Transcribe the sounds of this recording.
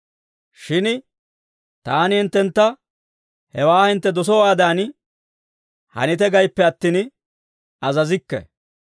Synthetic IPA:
ʃɪn | t̪aːnɪhɪnt̪ːɛnt̪ːɐ | hɛwaːhɪnt̪ːɛd̪ɔs̬ɔwaːd̪aːnɪ | hɐ̰nɪt̪ɛɡɐjpːɛɐt̪ːin | ɐzɐzɪkːɛ̰

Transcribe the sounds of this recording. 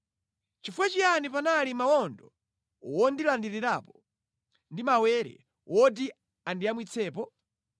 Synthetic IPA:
t͡ʃifuwat͡ʃianipanalimawɔndɔ | wɔndilandiɾiɾapɔ̥ | ndimawɛɾɛ̰ | wʔɔdi | andiamwit͡sʰɛːpɔ

